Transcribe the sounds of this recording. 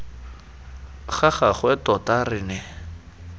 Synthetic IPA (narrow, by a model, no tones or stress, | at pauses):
χaχaχwɛtɔtarɪnɛ